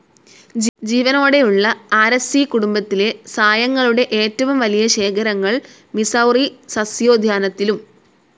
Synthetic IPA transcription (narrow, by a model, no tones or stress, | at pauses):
d͡ʑiːʋɐno̞ːɽe̞juɭːɐaːɾesikuɽumbɐt̪ːile̞saːjɐŋːɐɭuɽe̞ʔe̞ːtːɐʋumʋɐlijɐɕe̞ːkʰɐɾɐŋːɐɭ | misɐwrisɐsjo̞ːd̪ʱjaːnɐt̪ːilum